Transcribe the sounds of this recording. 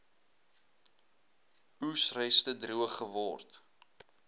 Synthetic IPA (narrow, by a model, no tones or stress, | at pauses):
usrɛjstədruəχəvɔrt